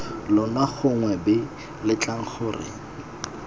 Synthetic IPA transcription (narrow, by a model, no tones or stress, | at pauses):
lʊnwaχʊŋwɛbɪ | lɪt͡ɬʼaŋ̩χʰʊːrɪ̰